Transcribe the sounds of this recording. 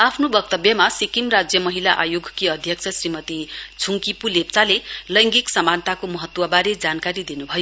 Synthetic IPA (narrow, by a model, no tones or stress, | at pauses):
apʰnobʌk̚t̪ʌbjʌmasikimrad͡zjʌmʌɦilaʔajoɡʱkiʌd̪ʱjʌk̚t͡sʰʌsrimʌt̪it͡sʰuŋkipulep̚t͡salelʌjŋɡiksʌmant̪akomʌɦʌt̪wʌbaɾed͡zankaɾid̪inubʱʌjo